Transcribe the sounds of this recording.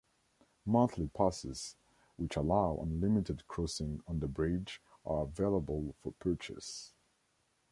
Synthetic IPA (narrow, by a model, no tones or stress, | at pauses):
mʌ̃nθʰlipʰasɪz̥ | wɪt͡ʃəlaʊʔə̰̃nlɪmɪɾɨd̚kʰɹ̥ɔsɪ̃ŋə̃nðəbɹɪd͡ʒʔə˞əveɪlˠəbəlˠfəpʰɜ˞t͡ʃɨ̰s